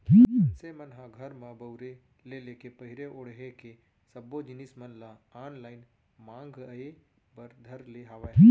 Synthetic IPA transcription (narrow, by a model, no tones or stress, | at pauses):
isemənɦãɡʱɐɾmãbəʊɾe | leleːkepɐɦɪɾeʔoɽ̤ɦeke | sɐbːod͡ʒɪnismɐnlaaːnlaːɪn | mãːŋɡəe | bɐɾd̪ʱɐɾleɦaʋai